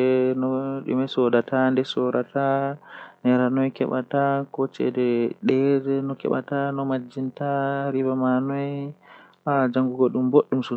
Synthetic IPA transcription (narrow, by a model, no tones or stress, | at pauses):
ɛnɔɗṵmɛsɔdatandɛsɔɾata | nɛɾanɔjkɛɓa̰takɔt͡ʃɛ̰dɛɗɛɾnɔkɛ̰ɓa̰tanɔmad͡ʒːintaɾibamanɔj | ad͡ʒaŋɡuɡɔɗumboɗːumsu